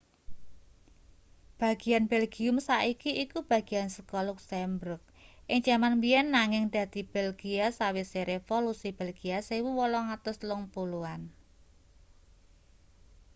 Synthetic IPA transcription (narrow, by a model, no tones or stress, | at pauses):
b̥ä̤ɡ̥i̤anb̥ɛlɡ̥iʊmsaʔikiikub̥a̤ɡ̥i̤ansəkɔlʊksɛmbɾʊk̚ʔɪŋt͡ʃamanbiɛnːaŋɪŋd̪̥ä̤d̪̥i̤b̥ɛlɡ̥iasawɪseɾefolusib̥elɡ̥iasewuwɔlɔŋat̪ʊslʊŋpuluan